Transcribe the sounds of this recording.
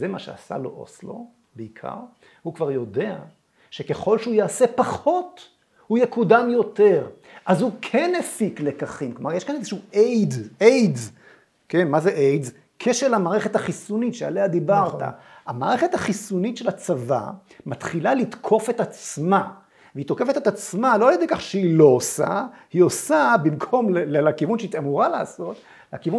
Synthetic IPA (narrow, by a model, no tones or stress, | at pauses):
zemaʃḛa̰sa̰lo̰ʔo̰slo̞̰ | beikʰa̰ʁ | hukvaʁjo̞dea̰ | ʃe̞ke̞χo̞lʃeujaːsepaχo̞t | hujekudamjo̞te̞ʁ | ʔazhukʰenefiklekaχimklomaʁjeʃkanezeʃuejdejdz | kenmazeʔejdz | kʰe̞ʃeʁlamaːʁeχe̞t̪haχisunit̪ʃea̰lehad̪ibaʁtta̰hamaːʁe̞χe̞t̪haχisunit̪ʃelat͡sava̰ | mat̪χilalit̪kʰo̞fe̞t̪at͡sma | veit̪oke̞fet̪et̪at͡smalo̞aljed̪ekaχʃeilo̞osa̰hiosabimkʰo̞mlelelakivunʃeit̪amuʁala̰ːso̞t̪ | lakivu